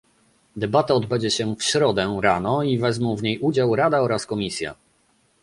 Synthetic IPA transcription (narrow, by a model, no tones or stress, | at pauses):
d̪ɛbat̪aɔd̪bɛɲd͡ʑɛɕɛfɕɾɔd̪ɛɾanɔivɛzmɔ̃w̃vɲejud͡ʑawɾad̪aɔɾaskɔmʲisʲja̰